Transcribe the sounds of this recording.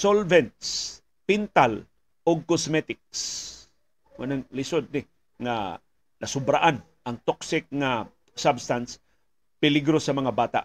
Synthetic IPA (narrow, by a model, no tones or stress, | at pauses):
solvɛnt̪s | pɪnt̪al | oɡ̚kosmɛt̪ɪk̚s | wanaŋlɪsod̪̚nɪ | ŋa̰ | nɐsʊbɾaʔan | aŋt̪oksɪk̚ŋa | sabst̪ans | pɪlɪɡɾosamɐŋabaːt̪a̰ʔ